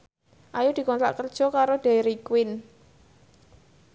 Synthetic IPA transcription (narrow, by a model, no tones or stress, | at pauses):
ʔajud̥i̤kɔnt̪a̰ʔkərd̥ʒ̥ɔ̤kaɾod̪̥e̤ɾikwɪn